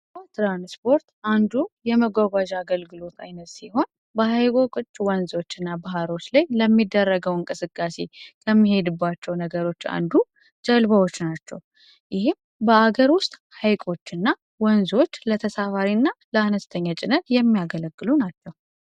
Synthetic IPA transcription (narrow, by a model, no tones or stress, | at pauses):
bət̪ɾanspʰo̞ɾt̪ʔand̪ujɛməɡʷaɡʷaʒaɡəlɡɨlo̞t̪ʰa̰jnət̪siho̞n | bəhajɡokʼɨt͡ʃʼːwɔnzo̞t͡ʃːɨnːabaɦaɾo̞t͡ʃːlajləmːid̪ːərːəɡəwɨŋkʼɨsɨkʼːase̞kʰəmːihe̞d̪ɨbːat͡ʃːɛwnəɡəɾo̞t͡ʃːa̰nd̪u | d͡ʒəlbəwot͡ʃːnat͡ʃːɛ̰w | jɪhɪm | bəaɡəɾwʊst̪ʼhajkʼo̞t͡ʃːɨnːa | wɔnzo̞t͡ʃːlət̪ʰəsafaɾinːaləanəst̪ʰəɲːat͡ʃʼɪnət̪jɛmːijaɡələɡːɨlunat͡ʃːɛw